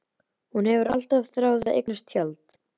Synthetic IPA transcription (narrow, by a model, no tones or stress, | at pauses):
hunhɛvʏɾa̰l̥t̪avθɾaːwðaḛjknast̪çjalt̪